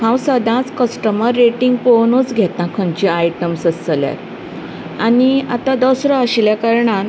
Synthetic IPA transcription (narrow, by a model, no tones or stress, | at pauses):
hãwsəd̪ʱãt͡skəsʈəməɾːeʈiŋɡponot͡sɡʱɛt̪nãkʰəɲt͡ɕiajʈəmsəslja̰t̪ | ania̰t̪ad̪ɔsɾɔəɕljakaɾɳan